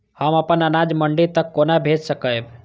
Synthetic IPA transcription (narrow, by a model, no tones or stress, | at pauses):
həməpənənad͡ʒməɳɖit̪əkːonabʱed͡ʒsəkəjb